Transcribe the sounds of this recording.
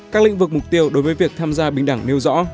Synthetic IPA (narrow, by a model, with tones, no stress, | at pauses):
kaː˦˥lḭ˧˥ŋvɨ˨˩k̚mʊ˨˩k͡p̚t̪i˧əwɗo˨˦jvəː˨˦jvi˨˩ək̚t̪ʰaː˧mzaː˧ɓï˧˩ŋ̟ɗa˧˩ŋne˧wzɔ̰˧˥